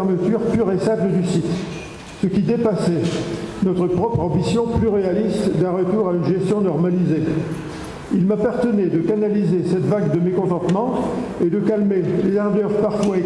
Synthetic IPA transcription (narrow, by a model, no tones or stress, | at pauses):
mət̪yʁplyʁesabləd̪ysit̪ | səkʲid̪epasɛnɔt̪χəpχɔpχɑ̃bisjɔ̃plyʁealist̪d̪ɛ̃ʁət̪uʁaynʒɛst̪jɔ̃nɔʁmalize | ilmapaʁt̪ənɛd̪əkanalizesɛt̪vaɡd̪əmekɔ̃t̪ɑ̃t̪mɑ̃ed̪əkalmelezãʁd̪œʁpaʁfwa